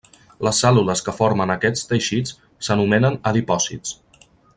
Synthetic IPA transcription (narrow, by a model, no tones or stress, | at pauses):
ləsːɛluləskəfoɾmənəkɛt͡st̪əʃit͡s | sənumɛnənəðipɔsḭt͡s